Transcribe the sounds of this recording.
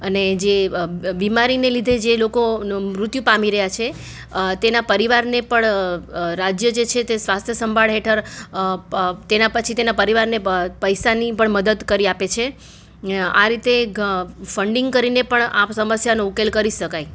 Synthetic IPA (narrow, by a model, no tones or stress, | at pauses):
əned͡ʒebimaɾinelid̪ʱed͡ʒelokomɾʊt̪jũpamiɾəɦjat͡ʃʰe | t̪enapəɾiʋaɾnepəɳɾad͡ʒjəd͡ʒet͡ʃʰet̪esʋast̪ʰjəsəmbʱaɭɦeʈʰəɾ | t̪enapət͡ʃʰit̪enapəɾiʋaɾnepəjsanipəɳməd̪əd̪kəɾiapet͡ʃʰe | a̰ɾit̪e | fəɳɖĩŋɡkəɾinepəɳasəməsjanoukelkəɾiʃəkaj